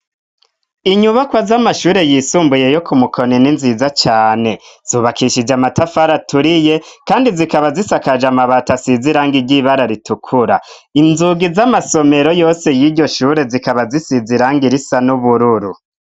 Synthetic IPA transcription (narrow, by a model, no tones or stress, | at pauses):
iɲuβakwazamaʃuːɾe̞jisuːmbuje̞jo̞kumukʰo̞nininziːzat͡ʃaːne̞z̥uβakʰiʃid͡ʒamatafaɾatuɾije̞kaːndizikaβazisakad͡ʒamaβatasiziɾaːŋɡiɟiβaɾaɾitukʰuɾa | inzuɡizamaso̞me̞ɾo̞jo̞ːse̞jiːɟo̞ʃuːɾe̞zikaβazisiziɾaːŋɡiɾisanuβuɾuɾu